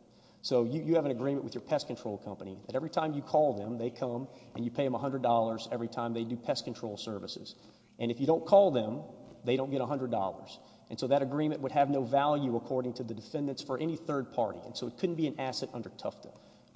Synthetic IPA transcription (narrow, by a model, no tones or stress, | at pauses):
soʊjɨjɨːvɨ̃ñɨɡɹĩmɨ̃nʔwɨðjə˞pʰɛskntʰɹ̥oʊlˠkʰʌ̃mpənḭðɨɾɛvɹitʰãɪ̃mjɨkʰɔlˠðə̃mðeɪkʰʌ̃mɨ̃njɨpʰeɪðɨ̃məɦʌ̃ndɹədɔlˠə˞zɛvɹitʰãɪ̃mðeɪdɨpʰɛskn̩ʰɹ̥oʊlˠsɜ˞vɨsɨ̰z̥ | ʔɨ̃nɨfjɨɾõʊ̃nkʰɔlˠðɨ̃mðeɪɾõʊ̃nɡɛɾəɦʌ̃ndɹədɔ̰lˠə̰˞z̥ | ʔɨ̃nsoʊðɨɾɨɡɹĩmɨ̃nʔwədɨvnoʊvælˠjʉəkʰɔɹɾɪ̃ŋtʰɨðɨdɨfɛ̃ndɨ̃nsfə˞ʔɛniθɜ˞d̚pʰɑ̰ɹɾḭɨ̰̃nsoʊɨt̚kʰʊdⁿn̩b̥iɨ̃næsɨɾʌ̰̃ndə˞tʰʌftʰə